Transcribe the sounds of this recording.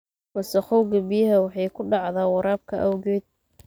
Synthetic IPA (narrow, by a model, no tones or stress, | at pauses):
mɐsɐχɔwɡɐbɪjɐɦɐwɑħɑjkʰʊɖɑʕðaːwɑɾaːb̚kʰɐʔɐwɣɛːd̪̚